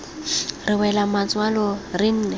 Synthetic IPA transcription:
rɪwɛlamat͡sʼwalɔrɪn̩ːnɛ

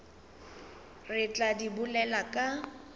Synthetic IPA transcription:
rɪt͡ɬʼadibʊlɛlakʼa

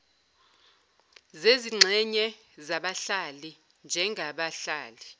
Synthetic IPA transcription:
zeziŋ͡ǁʱɛɲɛ | zaɓaɬali | nd͡ʒʱɛŋɡʱaɓaɬaːli

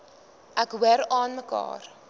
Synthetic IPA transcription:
ʔækwəɾɑːnməkɑ̰ːr

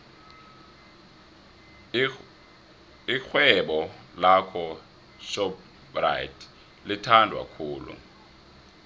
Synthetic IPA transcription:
ixwɛɓɔ | lakʰɔ | ʃɔp | ra̰jitʰ | litʰandʱwa̰kʰuːlṵ

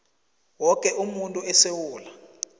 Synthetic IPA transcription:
wɔkʼɛʔumuntʼuɛsewuːla

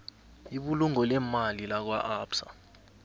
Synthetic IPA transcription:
iɓuluŋɔlɛmalilak̬wa̰ʔaːpsa̰

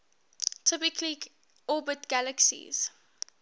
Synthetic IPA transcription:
tʰɪpɪkʰli | ɔbətɡ̥æləksḭz̥

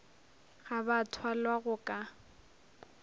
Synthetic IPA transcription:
ɣabatʰwalwaɣʊkʼa

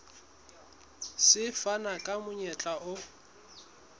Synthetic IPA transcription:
sɪfanakʼamʊɲɛt͡ɬʼaʔʊ

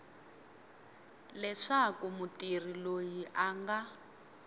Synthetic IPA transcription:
lɛʂakumutir̤ilojiʔaːŋɡa

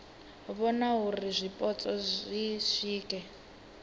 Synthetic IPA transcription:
βɔnaɦurizʷipʼɔt͡sʼɔiʃiːkʼɛ

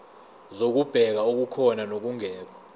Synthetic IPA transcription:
zok̬ub̥ʱɛk̬aok̬ukʰɔnanok̬uŋɛːk̬ʰɔ̥

